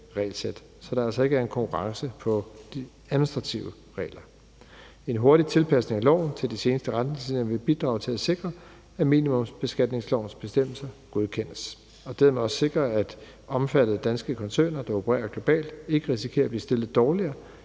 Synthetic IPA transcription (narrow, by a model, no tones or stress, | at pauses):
ʁɛ̰ːlsed̥ | sɒ̽d̥ɑ̈ælsɒe̝ɡ̥əæɐe̝nkʰɒ̽ŋkʰuʁɑ̈ŋsəpʰɒ̽d̥i | æðˠmnisd̥ʁɑ̈t͡sʰiʊə | ʁɛ̰ːlɐ | e̝nɦo̝ɐɾit͡sʰe̝lpʰæsne̝ŋælɒ̰ʊn̩t͡sʰe̝ld̥ise̝ːnəsd̥əʁad̥nesinʋe̝b̥id̥ʁɑ̰̈ːʊt͡sʰe̝læse̝ɡ̥ʁɐ | æmḭnimɔ̽msb̥e̝sɡ̥æd̥ne̝ŋslɒʊnsb̥e̝sd̥em̰l̩sɐɡ̥o̝ð̞ˠkʰen̰əs | ɒ̽d̥eðɐ̰meɒ̽sse̝ɡ̥ʁɐæd̥ | ɒ̽mfæd̥əð̞̩ˠd̥ænsɡ̥əkʰɒ̽nsø̰ːnɐd̥ɑ̈o̝pʰəʁɛ̰ːɐɡ̥lo̝b̥ɛ̰ːld̥e̝ɡ̥əʁisikʰe̝̰ːɐb̥lḭːsd̥e̝lð̩ˠd̥ɒːliɐː